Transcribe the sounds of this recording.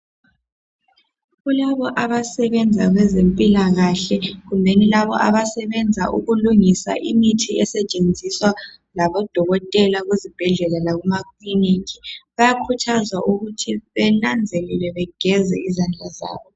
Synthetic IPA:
ɣulaβɔʔaβasɛβɛnd͡zʱaɣwɛzempʼilaɣaɬɛɣumbʱenilaβɔʔaβasɛβɛnd͡zʱa̰ʔuɣuluŋisa̰ʔimitʰiɛsɛt͡ʃʼend͡zʱiswa | laβɔd̥ʱɔɣɔtʼɛlaɣwezib̥ʱɛɮɛlalaɣumakʰlinikʰi̥βajakʰutʰazwaʔuɣutʰiβɛnand͡zʱelɛlɛβɛɡ̥ʱɛzɛ̰izand͡ɮʱaza̰ːβɔ

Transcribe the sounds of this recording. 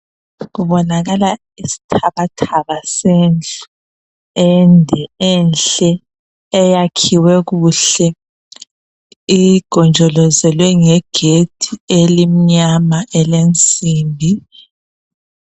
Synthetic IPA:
ɣuβɔnaɣala | isi̥tʰaβatʰaβaseːnd͡ɮʱu | ɛndʱɛɛnɬɛː | jakʰiwɛɣuːɬɛ | iɡ̥ʱɔnd͡ʒʱɔlɔzɛlwɛŋɛɡ̥ʱetʰielim̩ɲamaʔɛlent͡sʼiːmbʱi

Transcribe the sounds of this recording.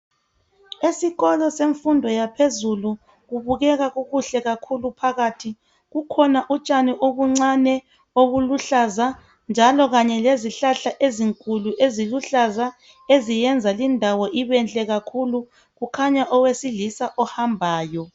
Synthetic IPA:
esiɣɔlɔseɱfundʱɔjapʰezulu | ɣuβuɣɛɣaɣuɣuɬɛɣakʰulupʰaɣaːtʰi | ɣukʰɔnaʔut͡ʃʼaniʔoβuŋ͡ǀanɛ | oβuluɬaza | nd͡ʒʱalɔɣaɲɛleziɬaɬaʔeziŋkʼuluʔeziluɬaza | ezijɛnd͡zʱalindʱawɔʔiβɛnt͡ɬʼɛɣakʰulu | ɣukʰaɲaʔɔwesilisaʔɔhambʱaːjɔ

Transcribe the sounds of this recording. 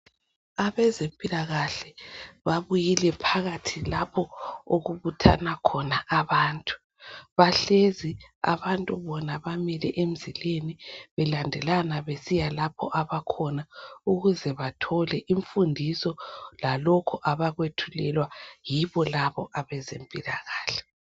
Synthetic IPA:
aβɛzempʼilaɣaɬɛβaβujilɛpʰaɣatʰilapʰɔo̰ɣuβutʰa̰nakʰɔnaʔaβaːntʼu̥ | βaɬezia̰βantʼuβɔnaβamɛlɛʔem̩zileniβɛlandʱɛlanaβesijalapʰɔ̰ʔaβakʰɔnauɣuzɛβatʰɔlɛʔiɱfundʱisɔlalɔkʰɔʔaβaɣwetʰulɛlwajiβɔlaβɔʔaβɛzempʼilaɣaːɬɛ̥

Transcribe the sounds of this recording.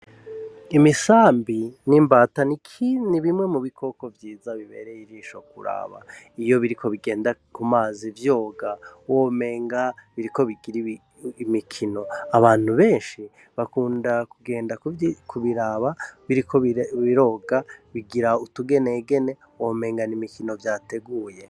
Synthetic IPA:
imisaːmbinimbaːtanikʰiniβimŋe̞muβikʰo̞ko̞vjiːzaβiβe̞̰ɾejiɾiːʃo̞k̚uɾa̰βa̰ijo̞βiɾikʰo̞βiɡe̞ːndakumaːzivjo̞ːɡawoːme̞ːŋɡaβiɾiko̞βiɡiɾi | mikʰino̞aβaːn̥huβeːnʃi | βakuːndakuɡe̞ːndakʰuβiɾaβaβiɾikʰoβiɾo̞ːɡaβiɡiɾautuɡe̞neɡe̞ne̞ | wome̞ːŋɡanimikino̞vjaːte̞ɡuːje̞

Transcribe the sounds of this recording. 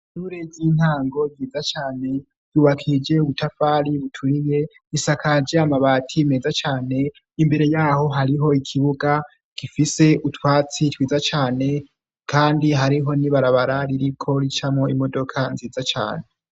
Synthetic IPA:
ʃuɾeviːn̥haːŋɡo̞vjiːzat͡ʃaːne̞̥ | uːβakʰid͡ʒe̞uβutʰafaːɾiβutʰuɾije̞ | isakʰad͡ʒeamaβaːtʰime̞ːzat͡ʃaːne̞ | imbe̞ɾe̞jaːho̞ɦaɾiɦo̞ikʰiβuɡa | kifise̞utwaːt͡sitwiːzat͡ʃaːne̞ | kʰaːndiɦaɾiɦo̞niβaɾaβaɾaɾiɾikʰo̞ɾit͡ʃamŋo̞imodo̞kʰanziːzat͡ʃa̰ːne̞

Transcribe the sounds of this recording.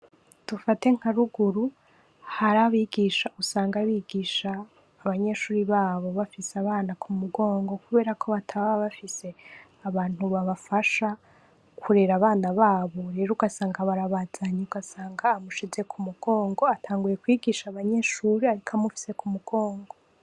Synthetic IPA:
d̥ufate̞ŋ̥haɾuɡuɾu | haɾaβiːɡiʃaʔusaːŋɡaβiɡiʃaː | βaɲe̞ʃuːɾiβaːβo̞βafisaβaːnakʰumuɡo̞ːŋɡo̞kuβe̞ːɾakʰo̞βatʰaβaβaβafise̞ | aβaːn̥huβaβafaʃa | kʰuɾe̞ɾaβaːnaβaːβo̞ɾe̞ːɾouɡasaːŋɡaβaɾaβazaɲeuɡasaːŋɡaːmuʃize̞kʰumuɡ̥o̞ːŋɡo̞atʰaːŋɡuje̞kwiːɡiʃaβaɲe̞ʃuːɾiaɾikʰamufi̥se̞kumuɡ̥o̞ːŋɡo̞

